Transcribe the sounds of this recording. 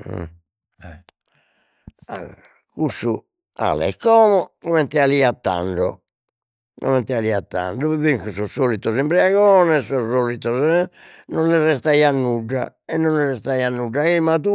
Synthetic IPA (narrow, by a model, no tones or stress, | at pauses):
ɛ | a̰ | kusːu | a̰lɛ̰kːɔːmɔkɔmɛnt̪ɛaliat̪ːa̰ɳɖɔ̰ | kɔ̰mɛnt̪ɛaliːat̪ːa̰ɳɖɔβiβiŋkusɔsːoːlit̪ːɔsimpɾiaɣɔːnɛsɔsoːlit̪ːɔsnɔnːirɛst̪aianːuɖːa̰ɛnːɔnlirɛst̪aianːuɖːaɛmat̪u